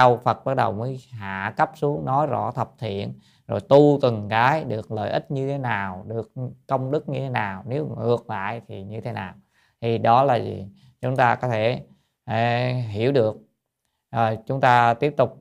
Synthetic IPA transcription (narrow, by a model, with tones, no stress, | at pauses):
a˧wfə˨˩t̚ɓa˦˥ɗə˨˩wməː˨˦jɦa̰ː˧˨kə˦˥p̚su˨˦əŋnɔ˨˦jzɔ̰˧˥t̪ʰə˨˩p̚t̪ʰḭ˧˨ən | zo˨˩jt̪u˧t̪ɨ˨˩ŋkaː˨˦jɗɨ˨˩ək̚lə̰ː˧˨jʔi˦˥t̟̚ɲɨ˧t̪ʰe˨˦naː˨˩wɗɨ˨˩əkːə˧wŋ͡mɗɨ˦˥k̚ɲɨ˧t̪ʰe˨˦naː˨˩wne˨˦wŋɨ˨˩ək̚la̰ː˧˨jt̪ʰi˨˩ɲɨ˧t̪ʰe˨˦naː˨˩w | t̪ʰi˨˩ɗɔ˨˦laː˨˩zḭ˨˩ | t͡ɕʊ˨˦ŋ͡mt̪aː˧kɔ˨˦t̪ʰe˧˩˧ | ɦi˧˩˨əwɗɨ˨˩ək̚ | ʔəː˨˩t͡ɕʊ˨˦ŋ͡mt̪aː˧t̪i˦˥əp̚t̪ʊ˨˩k͡p̚